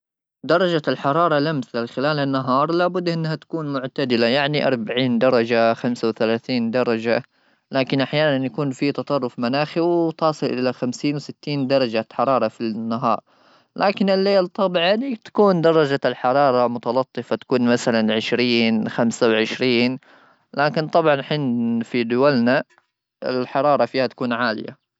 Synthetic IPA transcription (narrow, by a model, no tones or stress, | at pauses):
d̪ɑɾˤɑd͡ʒalħɑɾˤɑːɾˤɑlamθalxɪlaːlanːaɦɑːɾˤlaːbʊd̪ːʔɪnːhat̪ḁkuːnmʊʕt̪ad̪ɪlajaʕniʔɑ̰ɾˤbaʕiːnd̪ɑɾˤɑd͡ʒaxamsawθalaːθiːnd̪ɑɾˤɑd͡ʒa | laːkɪnʔaħjaːnanjakuːnfit̪ɑt̪ˤɑrˤːʊfmanaːxiwt̪ɑːsˤɨlʔʔɪlaxamsiːnwɪsɪt̪ːiːnd̪ɑɾˤɑd͡ʒaħɑɾˤɑːɾˤɑfinːaɦɑ̰ːɾˤ | lʔaːkɪnɪlːeːlt̪ˤːɑbʕɑnt̪ḁkuːnd̪ɑɾˤɑd͡ʒalħɑɾˤɑːɾˤɑmʊt̪ɑlɑt̪ˤːɨfat̪ḁkuːnmaθalanʕɪʃɾiːnxamsawʕɪʃɾiːn | laːkɪnt̪ˤɑbʕɑnħɪnfid̪ʊwalna | ɪ̰lħɑɾˤɑːɾˤɑfiːhat̪ḁkuːnʕaːlɪ̰ja̰